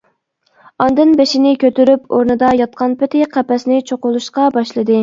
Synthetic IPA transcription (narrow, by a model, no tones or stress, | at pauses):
ɑnd̪ɨnbeʃɪnɪkʲʰøt̪yɾypʰoɾnɨd̪ɑjɑt̪̚qʰɑnpɪt̪ʰɪqʰæpɛsnɪt͡ʃʰoqʊlˠuʃqɑbɑʃlˠɨd̪ɨ